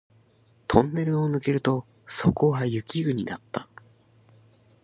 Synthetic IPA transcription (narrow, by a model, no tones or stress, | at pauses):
t̪ʰõ̞nːe̞ɾɯ̟o̞nɯ̟ke̞ɾɯ̟t̪o̞ | so̞ko̞ɡajɯ̟kʲiɡɯ̟ɲ̟inat̪ːa